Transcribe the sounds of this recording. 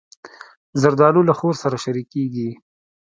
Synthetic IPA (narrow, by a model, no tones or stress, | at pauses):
zaɾd̪ɑlolaxoɾsaɾaʃaɾikeɡi